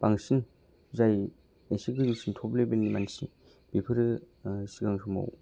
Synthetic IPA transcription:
baŋsin | zaj | esikɯzuksʰintʰɔplebenimansi | b̥ipʰɯɾɯ | siɡaŋsʰɔma̰w

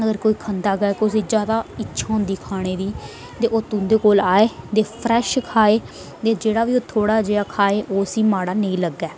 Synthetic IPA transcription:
əɡəɾkoːiːkʰənd̪aːɡɛkʊseːd͡ʒjaːd̪aːɪtːʃʰaːʊ̃nd̪iːkʰaːɽ̃eːd̪iː | t̪eːʔoːt̪ʊ̃nd̪eːkoːlaːeːt̪eːpʰɾɛːʃkʰaːeː | t̪eːd͡ʒeːɽaːʋiːoːt̪ʰoːɽaːd͡ʒeːaːkʰaːeːʔoːəsĩːmaːɽaːneĩːləɡːɛː

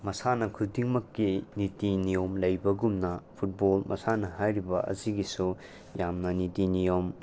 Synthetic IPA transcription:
mɐsanɐkʰudiŋmɐkːinitinijomlɐjbɐɡumnɐpʰut̚bolmʔɐ̰sanɐɦajɾibɐ̰ʔɐ̰ziɡisu | jamnɐnitinijom

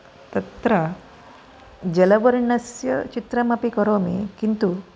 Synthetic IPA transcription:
t̪ɐt̪ɾa | d͡ʑelɐʋəɾɳɐsjə̰t͡ɕit̪ɾamapikəɾomḭkint̪u

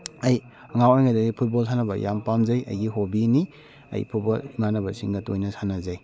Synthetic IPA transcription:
ɐj | ɐŋawajŋadɐɡipʰut̚bols̬ʰanɐbɐja̰mpamzɐjɐ̰jɡiɦobini | ɐ̰jpʰut̚boliŋanɐbɐsiŋɡɐtojnɐsanɐzɐj

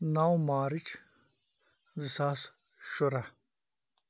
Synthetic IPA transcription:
nawmaːɾit͡ɕ | zisaːs | ɕoɾa

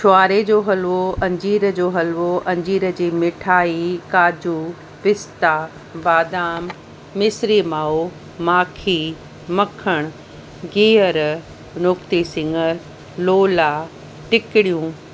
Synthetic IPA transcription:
ʃʊaːɾed͡ʑoːɦɐlʋoʔɐ̃ɲd͡ʑiːɾəd͡ʑoːɦɐlʋoʔɐ̃ɲd͡ʑiːɾə̆d͡ʑiːmɪʈʰaːikaːd͡ʑu | pɪst̪aː | baːd̪aːmː | ɪsɾiːmaːo | maːkʰiː | mɐkʰəɽ̃ʊ | ɡiːəɾ | nʊkt̪isɪ̃ŋɡə | loːla | ʈɪkɪɽijũː

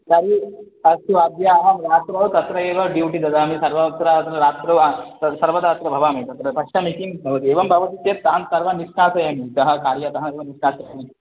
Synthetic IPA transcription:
d̪ɐɾi | ɐst̪uɐbjaːɐɦɐmɾaːt̪ɾɐʋwt̪ɐt̪ɾɐeːʋɐɖiwʈid̪ɐd̪aːmisɐɾʋɐɐt̪ɾɐɐt̪ɾɐɾaːt̪ɾɐwaɐsɐɾʋɐt̪at̪ɾɐbʱɐʋaːmet̪ɐt̪ɾɐt̪ɐkʃɐmekimbʱɐʋɐt̪ieːʋɐmbʱɐʋɐt̪it͡ʃeːt̪ːɐɦɐnsɐɾʋɐniʃɳaːsɐjɐmit̪ɐɦɐ̆kaːɾjɐt̪ɐɦɐneʋɐniʃnaːsɐjɐmi

